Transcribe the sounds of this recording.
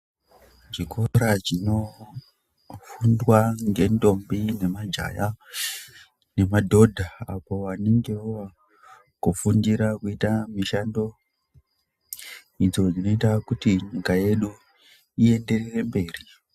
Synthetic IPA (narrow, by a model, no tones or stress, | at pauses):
d͡ʒikʰo̞ɾat͡ʃino̞ | fundwaŋɡe̞ndo̞mbine̞mad͡ʒa̰ja | ne̞madʱo̞dʱaapo̞waneŋɡeuwa | kufundiɾakuitamiʃando̞ | id͡zo̞d͡zino̞itakutiɲikaje̞ɗu | ie̞nde̞rere̞mbe̞ːri